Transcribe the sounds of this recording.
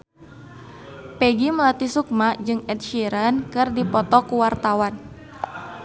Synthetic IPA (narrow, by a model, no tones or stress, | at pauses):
pɛɡiməlat̪isuk̚mad͡ʒɨŋɛt̪̚ʃiɾankɨrdipɔt̪ɔkuwart̪awan